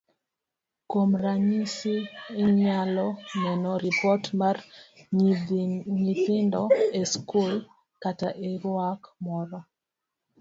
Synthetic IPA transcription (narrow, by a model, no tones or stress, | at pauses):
komraɲisiːɲalɔnɛnɔɾipɔtmar | ɲipɪndɔeskul | kataʔeɾwakmɔɾɔ